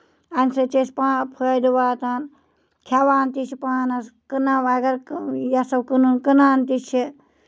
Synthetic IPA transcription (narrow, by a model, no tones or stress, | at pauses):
ɐnʲsɨt͡ʃespaːpʰəd̪uwaːt̪aːn | kʲʰawaːnt̪it͡ʃʰipaːnɐskɨnawɐɡɐɾjasɐwkɨnunkɨnaːnt̪it͡ʃʰi